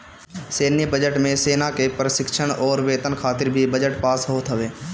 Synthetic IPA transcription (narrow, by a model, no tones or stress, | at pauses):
seːnjəbəd͡ʒəʈmẽseːnakepɾəʃɪkʃəɽ̃ɔːɾʋeːt̪ənkʰaːt̪ɪɾbʱibəd͡ʒəʈpaːsɦoːt̪ɦəʋeː